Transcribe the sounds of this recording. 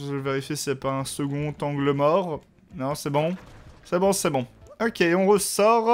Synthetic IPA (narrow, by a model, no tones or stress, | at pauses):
ʒəveʁifjesisɛpaɛ̃səɡɔ̃t̪ɑ̃ɡləmɔʁ | nɔ̃sɛbɔ̃sɛbɔ̃sɛbɔ̃ɔkʲeɔ̃ʁəsɔʁ